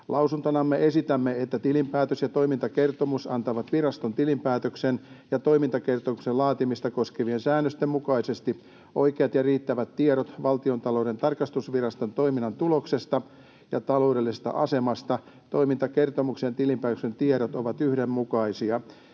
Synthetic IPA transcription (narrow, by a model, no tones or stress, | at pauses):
lʔɑusunt̪onɑmːeesit̪æmːeet̪ːæt̪ilimpæːt̪øsjɑt̪o̞imint̪ɑkert̪omusɑnt̪ɑʋɑt̪ʋirɑst̪ont̪ilimpæːt̪øksenjɑt̪o̞imint̪ɑke̞rt̪omuksellɑːt̪imist̪ɑkoskeʋiensæːnːøst̪emmukɑisest̪i | ʔoikeɑt̪jɑriːt̪ːæʋæt̪tieɾot̪ʋɑlt̪io̞nt̪ɑlo̞de̞nt̪ɑrkɑst̪usʋirɑst̪ont̪oiminːɑnt̪ulo̞kse̞st̪ɑ | jɑt̪ɑlo̞ːdelːisest̪ɑ̰ʔɑse̞mɑst̪ɑ | t̪o̞imint̪ɑke̞rt̪omuksent̪ilimpæːt̪øksent̪ieɾot̪oʋɑt̪yhdemmukɑisiɑ